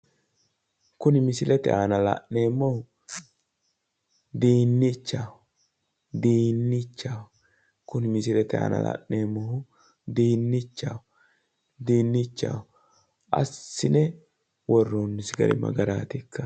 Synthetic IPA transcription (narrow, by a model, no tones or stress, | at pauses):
kʊnɪmɪsɪlʔɛt̪ɛ̰ʔaːnɐla̰nːeːmːɔhʊ | d̪iːnːɪt͡ʃːaːw | d̪iːnːɪt͡ʃːaːw | kʊnɪmɪsɪlɛt̪ɛa̰ːnɐ̰la̰ʔːeːmːɔhʊ | d̪iːnːɪt͡ʃːaːw | d̪iːnːɪt͡ʃːa̰ːw | ʔɐ̰sːɪnɛ | wɔrːonːɪsɡɐ̰ɾɪ̰mɐ̰ɡɐɾaːt̪ɪkːɐ